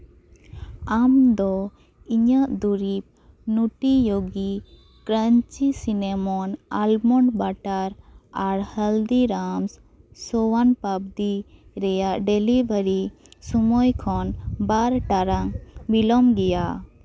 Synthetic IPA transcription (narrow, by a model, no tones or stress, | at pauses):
amd̪ɔ | iɲəʔd̪uɾip̚ | nuʈijoɡi | kɾəɲt͡ʃisinɛmɔnalmɔɳɖbaʈaɾaɾhəld̪iɾams | sɔwanpabd̪iɾɛjaʔɖelibəɾi | sumɔjkʰɔnbaɾʈaɾaŋbilɔmɡɛja